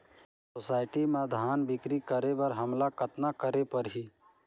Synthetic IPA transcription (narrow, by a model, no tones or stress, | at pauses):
sosaːɪʈimãd̪ʱaːnbɪkɾikəɾebəɾɦəmlakət̪nakəɾepəɾɦiː